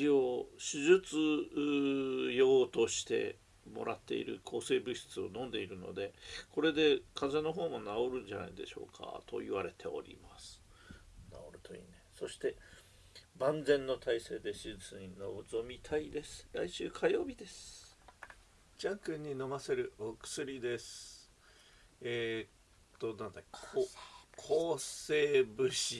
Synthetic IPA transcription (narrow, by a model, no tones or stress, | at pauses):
io̞ɕiʑɨt͡sɨ | jo̞ːt̪o̞ɕi̥t̪e̞̰ | mo̞̰ɾʔat̪ːe̞̰ḭɾɯ̟̰kʰo̞ːse̞ːbɯ̟ɕi̥t͡sɨo̞̰nõ̞nd̪e̞iɾɯ̟no̞̰d̪e̞ko̞ɾe̞d̪e̞kʰazano̞ɦo̞ːmonao̞ɾɯ̟̃ɲd͡ʑana̰id̪e̞̰ɕo̞̰ːkʰa̰t̪o̞̰iβaɾe̞t̪ʰe̞o̞̰ɾʲḭmasɨ̥ | na̰oɾɯ̟t̪oḭːneso̞ɕi̥t̪e̞ | bãnd͡zẽ̞nːo̞t̪ʰaise̞ːd̪e̞ɕit͡sɨ̃ɲinoot͡somʲit̪ʰaid̪e̞sɨ̥ɾa̰iɕɨːkʰajo̞ːbʲid̪e̞sɨ̥ | d͡ʑãŋkɯ̟̃ɲ̟ːino̞mase̞ɾɯ̟okɯ̟̥sɨɾʲid̪e̞sɨ̥ | et̪ːo̞nãnd̪akk | kʰoːse̞ːbɯ̟ɕi